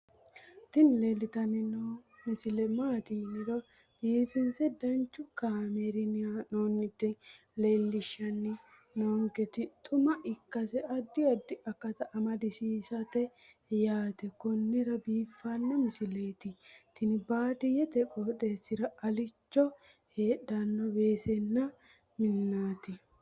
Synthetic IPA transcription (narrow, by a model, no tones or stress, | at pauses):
t̪ɪnlelːɪt̪ɐnɪnoːmɪsɪlɛmaːt̪inɪɾɐ | b̥iːfɪnsɛd̪ɐnt͡ʃːʊkaːmɛɾɪnɪanoːnːɪt̪ːɪ | leːlːɪʃːɐnːɪ | noːŋkɛt̪ɪt̪ʰʊmɐʔɪkːɐsɛɐd̪ːɪɐd̪ːɪɐkːɐt̪ɐʔɐmɐd̪ɪsiːsɐt̪ɛ | jaːt̪ɛkɔnːɪɾɐbiːfːɐnːɐmɪsɪle̞ːt̪ɪt̪ːɪnɪbaːt̪ɪjɛt̪ɛkʼoːt̪ʼe̞ːsːɪɾɐɐlɪt͡ʃːɔ | heːɗɐnːɔbe̞ːsɛnːɐ | mɪnːaːt̪ɪ